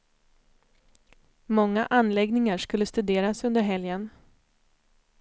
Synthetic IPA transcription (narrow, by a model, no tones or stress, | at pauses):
mɔŋːaʔanlɛɡnɪŋaʂkɵlːəst̪ɵd̪eːɾasɵnd̪əɾɦɛljən